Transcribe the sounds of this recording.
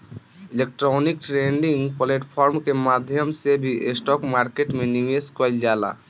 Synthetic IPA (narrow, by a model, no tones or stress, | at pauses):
ilek̚ʈɾɔnik̚ʈɾeɳɖĩŋɡpleʈpʰɔɾmkemaːd̪ʱjəmsebʱiʔesʈɔkmaːɾkeʈmeniʋeskɔld͡ʒaːla̰